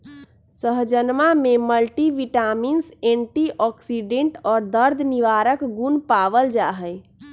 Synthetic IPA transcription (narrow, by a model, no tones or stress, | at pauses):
səɦd͡ʒənmameməlʈiʋiʈaminsẽɳʈiʔɔksiɖẽɳʈɔːɾd̪əɾd̪ʱniʋaɾəkɡunpaʋəld͡ʒaɦəj